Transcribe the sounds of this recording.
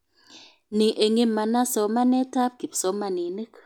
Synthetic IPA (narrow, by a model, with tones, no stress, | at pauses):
ni˨ʔe˨ŋe˦ma˨na˦sɔ˨ma˦nɛ˦ta˦p̚ɡ̥i˨psɔ˨˦ma˨ni˨ne˦k